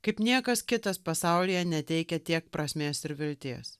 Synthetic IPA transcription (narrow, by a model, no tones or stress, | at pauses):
kɐɪpnʲiɛkɐskʲɪt̪ɐspɐsɑˑʊlʲijɛnʲɛt̪ʲɛɪkʲɛt̪ʲiɛk̚pɾɐsʲmʲeːsɪɾʋʲɪlʲt̪ʲeːs